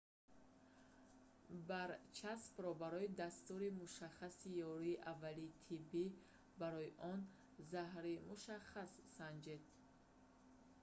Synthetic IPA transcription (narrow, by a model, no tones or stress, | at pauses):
baɾt͡ʃʰaspɾɔbaɾɔid̪ast̪uɾimuʃaχasijɔɾiːʔavːalit̪ʰibːi | baɾɔjiʔɔn | zaɦɾimuʃaχasːand͡ʒed̪̥̚